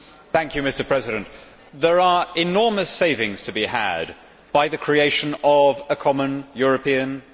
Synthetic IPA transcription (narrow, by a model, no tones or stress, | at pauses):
θæ̃ŋkʰjɨmɪstə˞pʰɹ̥ɛzɪɾə̃nʔ | ðəɹəɪnɔːɹməseɪvɪ̃ŋz̥tʰəbiə̰d | b̥aɪðɨkʰɹ̥ieɪʃə̃nəvəkʰɒmə̃njɔɹəpʰĩə̃n